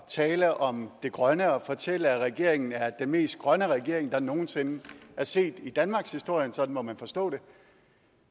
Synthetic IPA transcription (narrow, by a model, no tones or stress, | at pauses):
t͡sʰɛːləʔɒ̽md̥e̝ɡ̥ʁɶnəɒ̽fɒ̽t͡sʰel̰əæʁɛɡ̥e̝ɐ̰eŋn̩æɐd̥enme̝̰ːsd̥̚ɡ̥ʁɶnəʁɛɡ̥e̝ɐ̰e̝ŋ̩d̥ɑ̈no̝ːn̩se̝næɐse̝̰ːd̥id̥ænmɑ̈ːɡ̥shisd̥o̝ɐ̰jənsɒ̽d̥n̩mɒmænfɒ̽sd̥ɔ̰̽ːd̥e̝